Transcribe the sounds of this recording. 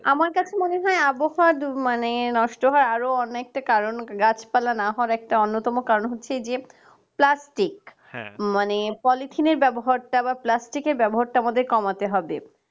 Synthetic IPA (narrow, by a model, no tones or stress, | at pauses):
amaɾkat͡ɕʰemoneɦɔeaboɦadmanenɔʃʈoɦaɾaɾoɔnːoɛk̚ʈakaɾonɡat͡ɕʰpalanaɦɔɾɛk̚ʈaonːot̪ɔmokaɾonɦotːɕʰed͡ʑe | plasʈik | manepɔlit̪ʰineɾbɛboɦaɾʈabaplasʈikeɾbɛboɦaɾʈaamad̪eɾkɔmat̪eɦɔbḛ